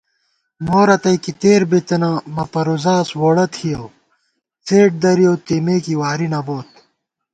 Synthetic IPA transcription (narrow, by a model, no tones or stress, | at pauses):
moːɾɐt̪ɐjkit̪eːɾbet̪ɐnamɐpɐɾuzaːswoɽɐt̪ʰijɐw | t͡seːʈ̚d̪ɐɾijoːt̪imeːkiwaːɾinɐboːt̪̚